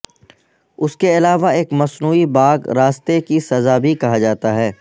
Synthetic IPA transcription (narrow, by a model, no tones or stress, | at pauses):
ʊskeɪlaːʋaeːkmɐsnuːibaːɡɾaːst̪ekisɐzabʱikɐɦad͡ʒaːt̪aɦɛː